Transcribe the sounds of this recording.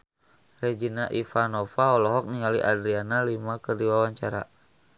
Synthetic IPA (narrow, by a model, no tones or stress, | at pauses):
rɛd͡ʒinaʔifanɔfaɔlɔɦɔk̚niŋaliʔadɾianalimakərdiwawaɲt͡ʃaɾa̰